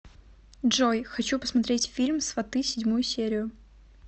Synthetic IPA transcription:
dʐojxɐt͡ɕupəsmɐt̪ɾʲetʲfʲilʲmsvɐt̪ɨsʲɪdʲmujʊsʲeɾʲɪjʊ

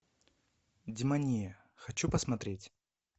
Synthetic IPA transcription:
d͡zʲimanʲijɐ | xat͡ɕupɐsmat̪ɾʲet͡sʲ

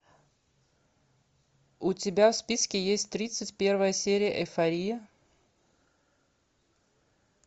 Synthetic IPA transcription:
ʊtʲɪbʲafspʲiskʲɪjesʲtʲt̪ɾʲit̪sətʲpʲe̞rvəjəsʲeɾʲɪjəʔɛfɐɾʲijə

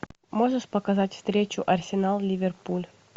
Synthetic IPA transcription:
moʐəʂpəkɐzatʲfst̪ɾʲet͡ɕʊʔɐrsʲɪnalˠlʲɪvʲerpulʲ

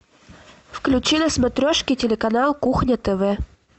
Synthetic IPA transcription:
fklʲʉt͡ɕinɐsmɐt̪ɾʲoʂkʲitʲɪlʲɪkɐnalˠkuxnʲət̪ɛvɛ

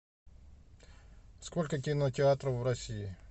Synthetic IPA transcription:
skɔlʲkɐkʲintʲɪat̪ɾɔwɾɔsʲiji

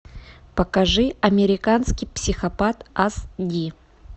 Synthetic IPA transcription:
pəkɐʐɨɐmʲɪɾʲɪkanskʲɪjpsʲɪxɐpat̪asdʲi

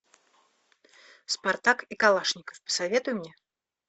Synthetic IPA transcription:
spart̪akikalˠaʂnʲɪkə̥fpə̥savʲɛt̪ʊjumnʲɛ

